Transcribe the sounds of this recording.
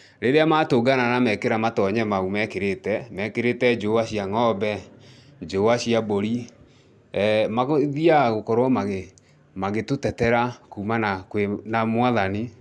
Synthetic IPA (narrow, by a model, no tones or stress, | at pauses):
ɾeɾeamatoɡananamɛkeɾamatɔɲɛmaumɛkeɾetɛmɛkeɾetɛd͡ʒoaɕiaŋɔbɛ | d͡ʒoaɕiaboɾi | maɣoðiaɣokɔɾwɔmaɣe | maɣetotɛtɛɾakuːmanakwenamwaðani